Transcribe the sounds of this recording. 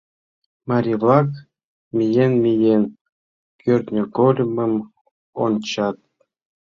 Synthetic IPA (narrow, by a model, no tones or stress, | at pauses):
mɑɾʲivlˠɑk | mʲijenmʲijen | kʲørʲt̪nʲokolʲməm | o̰nt͡ɕɑt̪̚